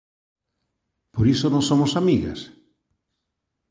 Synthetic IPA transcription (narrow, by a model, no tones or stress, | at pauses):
poɾisonõŋsomʊsamiɣa̰s